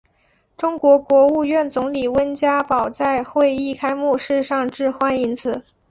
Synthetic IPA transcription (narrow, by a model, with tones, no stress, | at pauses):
ʈ͡ʂʊ˥ŋkwɔ˧˥kwɔ˧˥u˥˧ɥɛ˥˩nt͡sʊ˧˥ŋli˨˩wə˥nt͡ɕja˥pɑ˨˩ʊt͡sa˥˧ɪxwe˥˧ɪi˥˩kʰa˥ɪmu˥˧ʂɻ̩˥˧ʂɑ˥˧ŋʈ͡ʂɻ̩˥˩˧xwa˥ni˧˥nt͡sʰɹ̩˨˩˦